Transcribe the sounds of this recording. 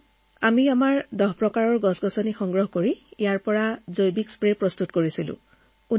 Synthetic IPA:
amiamaɹdɔɦpɹɔkaɹɔɹɡɔsɡɔsɔnixɔŋɡɹɔɦkoɹiijaɹpɔɹazojbikspɹepɹɔstutkoɹisilʊ̰̃ | u

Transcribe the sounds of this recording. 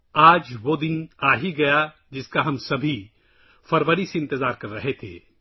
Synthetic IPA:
aːd͡ʒʋod̪ɪnaːɦiɡɐja | d͡ʒɪskaɦɐmsɐbʱi | fɐɾʋəɾiseɪ̃nt̪ɪzaːɾkɐɾːɐɦet̪ʰḛː

